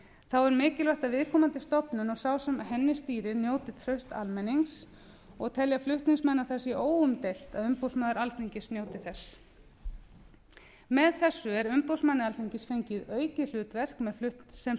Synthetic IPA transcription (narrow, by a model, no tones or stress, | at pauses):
θawɛɾmɪːcɪlvœht̪avɪðkʰɔːmant̪ɪst̪ɔpnʏnɔɣsawsɛmaɦɛnːɪst̪iːɾɪɾnjoːwt̪ɪ̥t̪ʰɾœɥst̪a̰lmɛnːiŋs | ɔɣt̪ʰɛljaflʏht̪nɪŋsmɛnːaθɛsiʔoːwʏmt̪ejl̥t̪aðʏmpowsmaðaɾalt̪iɲcɪsnjowt̪ɪθɛs | mɛðθɛsːʏɛɾʏmpowsmanːɪalt̪ʰiɲcɪsfejɲcɪðœːɥcɪl̥ʏːt̪vɛr̥kmɛðflʏht̪n̥sɛm